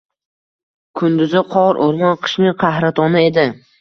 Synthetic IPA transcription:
kʰʊnd̪ʊzɪqʰɒɾʔoɾmɒnqʰɨ̥ʃnɪŋqʰɑhɾat̪ʰɒnɪe̞d̪ɪ

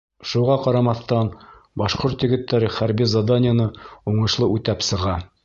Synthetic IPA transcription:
ʃuʁɑqɑɾɑmɑθt̪ɑn | bɑʃqoɾt̪jɘ̆ɡɘ̆t̪ːæɾɘχæɾbizad̪anʲɪjanɤuɴɤ̆ʃlˠɤʔʉt̪æpsɤ̆ʁɑ

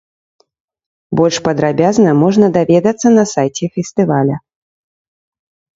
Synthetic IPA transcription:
bɔlʲʂpɐd̪ɾabʲaznɐmɔʐnɐd̪avʲɛd̪ɐt̪sːɐnɐsajt͡sʲɛfʲɛst̪ɨvalʲɐ

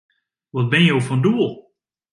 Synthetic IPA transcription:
ʋɔt̚bɪnjowfɔnduəlˠ

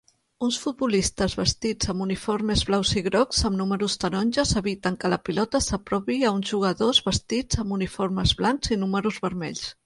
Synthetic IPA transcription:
unsfud̪̚bulist̪əzβəst̪id͡zəmbunifoɾmezβlawziɣɾɔkzəmnuməɾust̪ənɔnʲʒəzəβit̪əŋkələpilɔt̪əsəpɾɔβiəunzʒuɣ̞əðozβəst̪id͡zəmunifoɾmezβlaŋzinuməɾuzβəɾmɛʎs

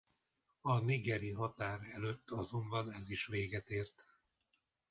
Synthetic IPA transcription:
ɒniɡɛɾiɦɒt̪aːɾɛløt̪ːɒzo̞mbɒnɛziʃʋeːɡɛt̪eːrt̪

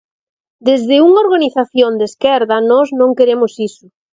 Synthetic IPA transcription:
d̪ezðɪuŋaoɾɣaniθaθjond̪eskɛɾðɐnɔznõŋkeɾemʊsisʊ

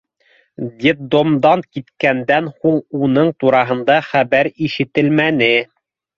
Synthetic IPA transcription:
d̪ʲet̚d̪omd̪ɑnkit̪kænd̪ænhulˠunɤɴt̪uɾɑɦɤ̆nd̪ɑχæβæɾiʃɘ̆t̪ɘ̆lmænɘ

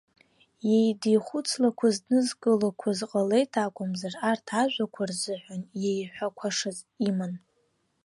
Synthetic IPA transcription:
jejdijχʷut͡sʰlakʷʰazdnɨzɡʼɨlakʷʰazqʼale̞jtʰakʷʼʊmzarartʰaʒᶣʷakʷʰarzɨħʷᶣanjejħʷᶣakʷʰaʂazʼiman

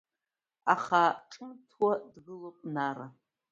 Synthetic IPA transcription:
a̰χaʈ͡ʂʼɨmtʰwadɣɨlopʷʼnara

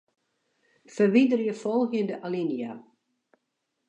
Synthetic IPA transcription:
fərʋidərjəfɔlˠxjəndəʔalinja̰

